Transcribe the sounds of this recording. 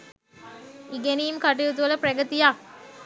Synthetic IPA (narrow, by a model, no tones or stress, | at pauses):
iɡeniːmkaʈijut̪̬uʋələprɐɡət̪ijak